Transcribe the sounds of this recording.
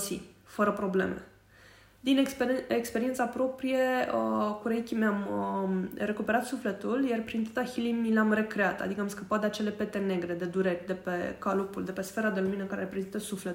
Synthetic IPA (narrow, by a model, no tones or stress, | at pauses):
sḭfəɾəpɾo̞ble̞̰me | d̪inekspeɾient̪sapɾo̞pɾije̞əkuɾeikʲimeam | re̞kupe̞ɾat̪sufle̞t̪uljarpɾint̪at̪açilimileamre̞kɾeat̪a̰d̪ikəamskəpat̪̚d̪eat͡ʃe̞le̞pe̞t̪e̞ne̞ɡɾe̞d̪e̞d̪uɾe̞rʲd̪e̞pe̞kalopuld̪e̞pe̞sfe̞ɾad̪e̞luminəkaɾeɾepɾezint̪əsuflet̪